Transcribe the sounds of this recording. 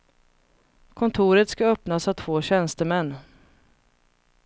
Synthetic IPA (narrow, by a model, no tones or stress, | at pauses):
kʰɔnt̪ʰuːɾət̪skaœpnasavt̪ʰv̥oːɕɛnst̪əmɛnː